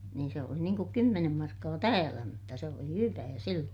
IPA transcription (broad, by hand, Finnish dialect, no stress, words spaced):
niːn se oli niːŋ kuk kymːenem mɑrkːɑː tæːlæ mutːɑ se oli hyʋæː silːoːn̞